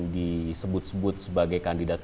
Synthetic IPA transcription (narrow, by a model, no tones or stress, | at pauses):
disəbʊt̪̚səbʊt̪̚səbaɡajkandidat̪̚